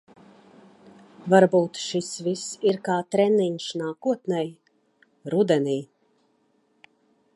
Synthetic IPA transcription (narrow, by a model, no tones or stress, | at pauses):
vaɾbuːt̪ʃisvisiɾkaːt̪ɾɛniɲʃnaːkuɔt̪nɛj | ɾud̪ɛniː